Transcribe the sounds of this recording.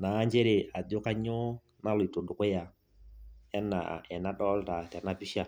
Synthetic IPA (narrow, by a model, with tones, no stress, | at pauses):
na˨˦ɲd͡ʒɛ˦le˨ʔa˨d͡ʒo˦ka˦ɲɔ˦ | na˦lʊ˨i˨to˨dʊ˨kʊ˦ja˨ | ɛ˦nːa̰˨ɛ˨na˦ɗɔ˦lta˨tɛ˨na˦pi˦ʃa˨